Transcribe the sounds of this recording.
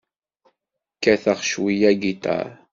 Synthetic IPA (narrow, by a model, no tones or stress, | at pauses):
kːæθəʁʃwijæɡit̪ˤɑ̰ɾ